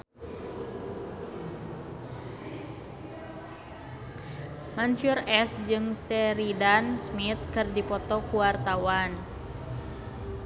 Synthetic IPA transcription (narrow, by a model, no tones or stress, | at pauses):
mant͡ʃurɛsd͡ʒɨŋsɛɾidansmit̪̚kɨrdipɔt̪ɔkuwart̪awan